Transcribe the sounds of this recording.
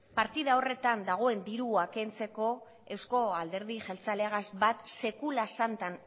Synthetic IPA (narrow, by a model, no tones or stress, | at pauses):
paɾt̪iðao̞re̞t̪and̪aɣ̞o̞e̞nd̪iɾuake̞nt͡se̞ko̞ | e̞wsko̞ald̪e̞ɾðiʝelt͡saleaɣazbat̪se̞kulasant̪an